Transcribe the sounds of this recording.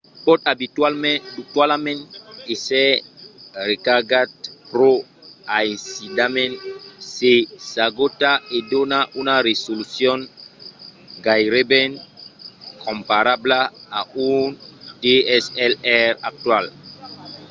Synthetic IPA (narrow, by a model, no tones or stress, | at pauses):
pɔtabitwalmɛ̃duktwalamɛ̃nesɛ | ɾekaɡat̚pɾoaĩnsidamɛ̃nsesaɡotaedonaʔunaɾesolusjɔ̃n | ɡajɾebɛ̃n | kʰɔ̃mpaɾablaaundeɛsɛlɛɾa̰k̚twal